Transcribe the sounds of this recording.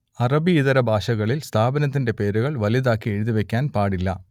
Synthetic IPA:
ɐrɐbiːðɐɾɐbʱaːʂɐɣɐɭilst̪ʰaːbɐnɐt̪̬ːinde̞pe̞ːɾuɣɐɭʋɐliðaːkːie̞ɻuðiʋe̞kʲːaːnpaːɽilːɐ̰

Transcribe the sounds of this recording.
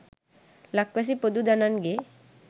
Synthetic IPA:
lɐkwɐs̬ipod̪ud̪ananɡe

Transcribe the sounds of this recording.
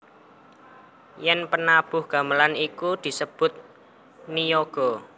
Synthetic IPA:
jɛnpənab̥ʊ̤hɡ̥ä̤məlanikud̪̥i̤səb̥ʊt̪̚ | nijoɡ̥ɔ̤

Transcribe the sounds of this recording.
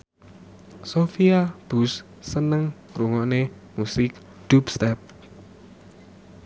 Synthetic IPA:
sofiab̥ṳs | sənəŋɾuŋɔʔnemusɪk | d̪̥upst̪ɛp̚

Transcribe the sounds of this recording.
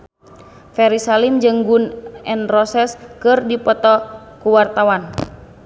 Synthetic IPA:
fɛɾisalimd͡ʒɨŋɡunɛnrɔsɛskɨrdipɔt̪ɔ | kuwart̪awan

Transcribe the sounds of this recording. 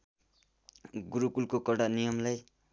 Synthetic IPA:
ɡuɾukulkokʌɽanijʌmlaj

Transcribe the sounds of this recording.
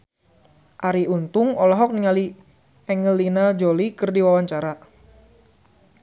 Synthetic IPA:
ʔaɾiunt̪ʊŋɔlɔɦɔk̚niŋali | ɛŋəlːinad͡ʒolikərdiwawaɲt͡ʃaɾa

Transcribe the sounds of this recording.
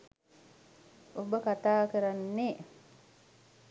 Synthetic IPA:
obəkat̪aːkəɾanːe

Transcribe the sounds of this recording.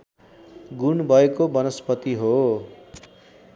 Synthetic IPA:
ɡunbʱʌekobʌnʌspʌt̪iɦo

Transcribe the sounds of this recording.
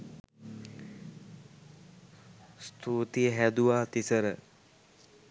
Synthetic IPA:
st̪ʰuːt̪ijəɦæd̪uʋaːt̪isəɾə

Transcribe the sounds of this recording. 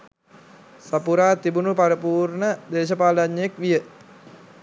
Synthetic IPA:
sapuɾat̪ibunupaɾəpurnəd̪es̬əpalaɲek̚ʋijə

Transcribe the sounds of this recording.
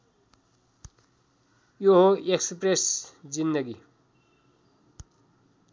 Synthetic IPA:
joɦoekspresd͡zind̪ʌɡi

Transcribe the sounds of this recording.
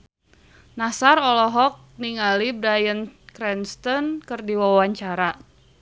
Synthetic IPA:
nasarɔlɔɦɔk̚niŋalibɾajənkɾɛnst̪ɔnkɨrdiwawaɲt͡ʃaɾa

